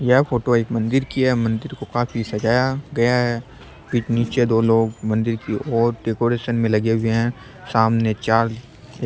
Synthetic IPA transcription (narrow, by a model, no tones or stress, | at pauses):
jɛɦfʰoːʈoeːkmɐ̃nd̪ɪɾkiɛmɐ̃nd̪ɪɾkokaːfʰisɐd͡ʒaːjaɡɐjaɦɛ | biːt͡ʃniːt͡ʃed̪oːloːɡmɐ̃nd̪ɪɾkiɔːɾɖeːkoːɾeːʃənmẽlɐɡeɦʊeɦɛ̃ | saːmnet͡ʃaːɾ